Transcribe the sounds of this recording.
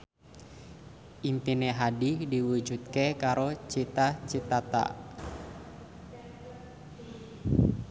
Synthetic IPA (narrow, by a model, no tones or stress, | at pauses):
ʔimpineɦadidiwud͡ʒut̪̚kekaɾot͡ʃit̪at͡ʃit̪at̪a̰